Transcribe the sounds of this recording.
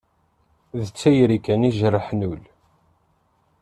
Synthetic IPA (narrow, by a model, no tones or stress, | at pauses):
ðət͡sːæjɾikːæniʒɾəħnul